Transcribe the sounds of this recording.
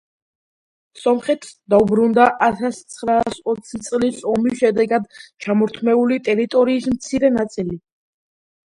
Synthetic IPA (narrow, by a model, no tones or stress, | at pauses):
sɔmχɛt̪ʰsd̪aubɾund̪aʔat̪ʰast̪sʰχɾaːsɔt̪sʰit̪sʼlisɔmiʃɛd̪ɛɡad̪t͡ʃʰamɔɾt̪ʰmɛulit̪ʼɛɾit̪ʼɔɾiːsmt̪sʰiɾɛnat̪sʼili